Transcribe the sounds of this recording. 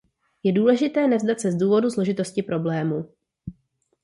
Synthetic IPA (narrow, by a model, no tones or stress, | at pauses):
jɛduːlɛʒɪt̪ɛːnɛvzdat̪sɛzduːvo̞duzlo̞ʒɪt̪o̞scɪpɾʔo̞blɛːmuː